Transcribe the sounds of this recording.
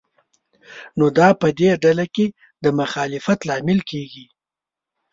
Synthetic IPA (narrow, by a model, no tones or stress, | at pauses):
nod̪ɑpəd̪eɖalake | d̪əmʊxɑlɪfat̪lɑmɪlkeɡi